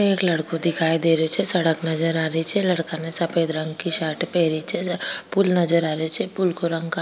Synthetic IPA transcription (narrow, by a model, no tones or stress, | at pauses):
eːklɐɽkod̪ɪkʰaːid̪eːɾeot͡ʃʰɛsɐɽəknɐzəɾaːɾəit͡ʃʰɛlɐɽkanesɐpʰeːd̪ɾɐ̃ŋɡkiʃaːʈpɛːɾit͡ʃʰɛpulnɐd͡ʒəɾaːɾəot͡ʃʰɛpʊlkoɾɐ̃ŋɡa